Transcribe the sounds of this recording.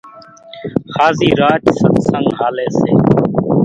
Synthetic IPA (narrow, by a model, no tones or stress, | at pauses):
xaːziːɾaːt͡ʃsət̪səŋɡɦaːleːseː